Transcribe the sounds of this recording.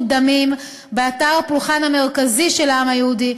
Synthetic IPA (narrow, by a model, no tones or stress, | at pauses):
d̪amim | beataʁapluχanhame̞ʁkaziʃe̞laamajehudi